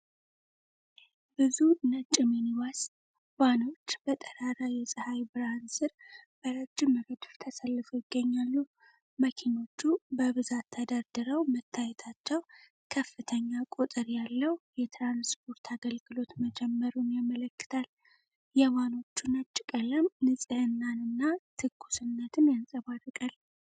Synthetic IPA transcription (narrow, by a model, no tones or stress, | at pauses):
bɨzunət͡ʃʼːɪminiwas | wano̞t͡ʃːbət̪ʼəɾaɾajɛsʼɨhajbɨɾansɨɾb̥əɾəd͡ʒːɪməɡəd̪ft̪ʰəsəlːɨfujɪɡːəɲːalːu | məkʰino̞t͡ʃːubəβɨzat̪ʰːəd̪aɾd̪ɨɾəwmət̪ʰːajɛt̪ʰat͡ʃːɛw | kʰəfːɨt̪ʰəɲːakʼut̪ʼɨɾjalːəwjɛt̪ɾanspʰo̞ɾt̪ʰaɡəlɡɨlo̞t̪məd͡ʒɛmːəɾunjamələkːɨ̥t̪ʰal | jɛmano̞t͡ʃːunət͡ʃʼːɪkʼələmnɨsʼɨhɨnːanɨnːat̪ʰɨɡːu̥sɨnːət̪ʰɨnjansʼəβarɨkʼal